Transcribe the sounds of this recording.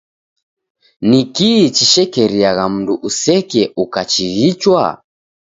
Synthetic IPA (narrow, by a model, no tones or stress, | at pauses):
nikit͡ʃiʃɛkɛɾiaɣam̩nduʔusɛkɛukat͡ʃiɣit͡ʃwa̰